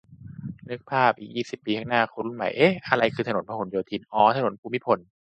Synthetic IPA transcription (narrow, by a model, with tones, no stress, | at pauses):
nɯ˦˥k̚pʰaː˥˩p̚ʔiː˨˩k̚jiː˥˩si˨˩pːiː˧kʰaː˦˥˩naː˥˩kʰo˧nɾu˧˩nma̰˨˩˦jʔeː˦˥ʔa˧ɾa˧jkʰɯː˧t̪ʰno˩˦npʰa˧ho˩˦njoː˧t̪ʰiː˧nʔɔː˨˦t̪ʰa˧no˩˦npʰuː˧mi˦˥pʰo˨˩˦n